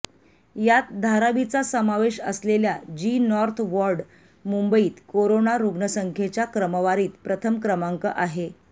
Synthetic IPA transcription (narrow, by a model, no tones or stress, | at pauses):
jat̪̚d̪ʱaɾaʋit͡sasəmaʋeɕə̰sleljad͡ʑinɔɾt̪ʰʋɔɾɖ | mumbəiːt̪koɾonaɾuɡnəsəŋkʰjet͡ɕjakɾəməʋaɾiːt̪pɾət̪ʰəmkɾəmaŋkəʔaɦe